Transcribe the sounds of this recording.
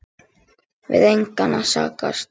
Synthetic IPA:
vɪ̰ðejŋkanasaːkast̪̚

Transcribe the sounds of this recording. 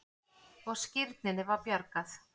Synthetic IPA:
ɔɣscɪɾt̪̚nɪnɪvaɾpjœɾkaθ

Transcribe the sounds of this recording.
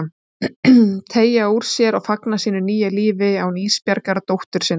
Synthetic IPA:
t̪ʰeːjauɾ̥sjɛɾaɣfaknasiːnʏniːjaliːvɪawniːspjaɾkaɾt̪owht̪ʏɾ̥sɪn

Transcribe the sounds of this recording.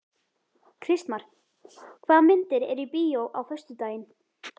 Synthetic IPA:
kʰɾɪst̪maɾ̥ | kʰvaːðmɪnt̪ɪɾɛɾipiːjowʔawfœr̥st̪ʏt̪aːjɪn

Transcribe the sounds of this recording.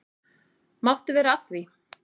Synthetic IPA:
mawht̪ʏvɛːɾaat̪vi

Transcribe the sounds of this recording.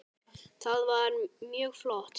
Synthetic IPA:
t̪ʰalwaːnmiəwflɔt̪ʰ

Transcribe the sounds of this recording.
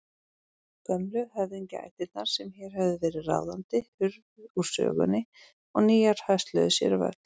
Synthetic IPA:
kœmlʏhɛvðiɲcɪa̰jt̪ɪt̪naɾ̥sɛmçɛɾ̥hɛvðɪvɛːɾɪðra̰wðant̪ɪhʏɾvuɾ̥sœ̰ːɣʏ̰nːɪ | ɔɣniːjaɾ̥haɥst̪lœ̰ðʏsjɛ̰ɾva̰t̪

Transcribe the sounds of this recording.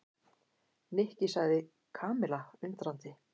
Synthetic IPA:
nɪhcɪsaɣðɪ | kʰaːmɪlaʏnt̪ɾant̪ɪ

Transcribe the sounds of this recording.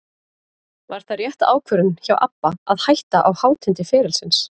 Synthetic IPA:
vaɾ̥θarjɛht̪a̰ːwkʰvœɾʏnçawʔapːaaðhajht̪aʔawhaːwt̪ʰɪnt̪ɪfɛːɾɪlsɪns

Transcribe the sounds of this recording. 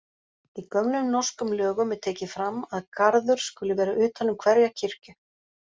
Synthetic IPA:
ikœmnʏmnɔr̥skʏmlœːɣʏmːɛðt̪ʰeːcɪfɾamːaðkaɾðʏɾ̥skʏlɪvɛːɾaʔʏːt̪hanːʏmkʰvɛɾjacʰɪr̥cʏ

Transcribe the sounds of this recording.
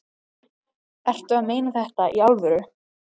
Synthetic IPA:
ɛr̥t̪ʏaðmeːjnaθɛht̪aʔialvʏɾʏ

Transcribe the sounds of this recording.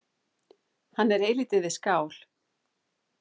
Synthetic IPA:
hanːɛɾeːjlit̪ɪðɪskaːwl̥

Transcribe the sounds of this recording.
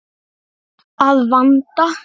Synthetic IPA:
aðvant̪a

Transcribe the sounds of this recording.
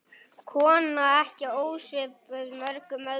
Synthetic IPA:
kʰɔːnaɛhcɪoːwsvɪːpʏmœɾkʏmœ

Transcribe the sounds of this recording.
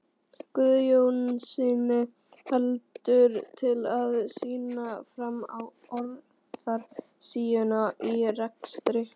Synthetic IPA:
kʏðjownɪnsiːnɪ | hɛlt̪ʏɾt̪ʰɪlaðsiːnafɾamaw | ɔɾ | ðaɾ̥ | siːjʏnaʔirɛkst̪ɾɪ

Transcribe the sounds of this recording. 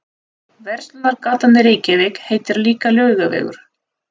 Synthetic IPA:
vɛr̥st̪naɾkaːt̪anɪɾejcɪvɪkheːjt̪ɪɾliːkalœːɥɣavɛ̰ːɣʏ̰ɾ̥

